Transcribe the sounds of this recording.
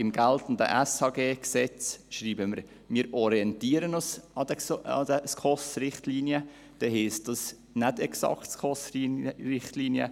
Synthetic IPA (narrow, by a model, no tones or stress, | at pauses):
ɪmɡ̥æltʊntdə̰ʔɛsɑːɡeːksɛt͡sʃɾiːbəməɾ | miːəɾɔɾiɛntiːəɾənosɑd̥ɛɑ̰dəskʰɔsɾɪχtliːnjə | d̥ɛɦisd̥ɑs | nædɛksɑ̰ktskʰɔsiɾɪχtliːnjə̰